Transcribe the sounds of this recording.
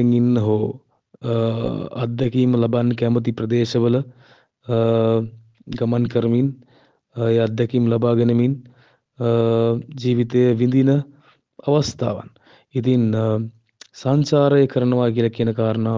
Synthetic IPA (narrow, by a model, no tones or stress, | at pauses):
ɐŋinːɐɦoː | ɐ̰d̪ʱjɐkiːmlɐbɐnkɛmɐt̪̬ipɾɐd̪eːʃɐʋɐlɐ | ɡɐmɐnkɐɾmin | jɐd̪ʱjɐkiːmlɐbaːɡɐnɐmin | d͡ʒiːʋit̪eːʋind̪inɐ | ɐʋɐst̪ʰa̰ːʋɐ̰n | it̪in | saːɲt͡ʃaːɾɐjɐkɐɾɐnɐʋaːkilɐkinɐkaːɾnaː